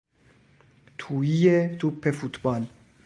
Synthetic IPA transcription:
t̪ʰuijet̪ʰupʰːefut̪bɒl

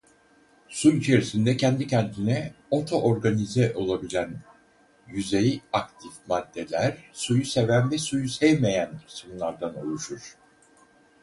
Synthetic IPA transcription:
suyt͡ʃʰe̞ɾisind̪ɛcʰɛnd̪icɛnt̪ʰinɛo̞t̪ʰo̞ʔoɾɡanizɛʔo̞lˠabilʲæn | jyzejiakt̪ʰifmad̪ːelʲæɾsujuse̞vænvɛsujusɛjme̞jænisumunˠaɾd̪ano̞̰lˠuʃuɾ̥

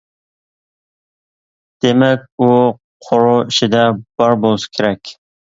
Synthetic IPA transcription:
d̪̥emɛkʲu | qʰoɾʊiʃid̪ɛb̥ɑɾbolˠɨsɪ̥kʲʰeɾɛkʲ

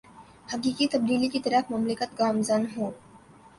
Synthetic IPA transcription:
hɐkiːkit̪ɐb̚d̪iːlikit̪ɐɾəfmɐmlɪkət̪̚ɡaːmzənɦoː

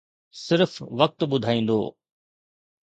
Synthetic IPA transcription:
sɪɾfʋɐk̚t̪ɓʊd̪ʱaːĩːn̆d̪o̰ː

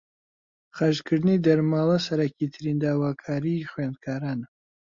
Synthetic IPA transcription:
χaʒkʰɨɾd̪ɨnid̪ɐɾmaːlˠɐsɐɾɐkʰit̪ʰɨɾind̪aːwaːkʰaːɾiχwand̪̚kʰaːɾaːn

